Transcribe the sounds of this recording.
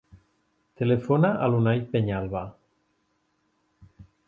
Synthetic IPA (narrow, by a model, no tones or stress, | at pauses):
t̪elefonaʔalunajpeɲalβa